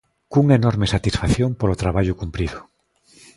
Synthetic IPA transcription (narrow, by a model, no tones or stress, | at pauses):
kuŋenɔɾmesat̪isfaθjoŋpoɾot̪ɾaβaʎʊkumpɾiðʊ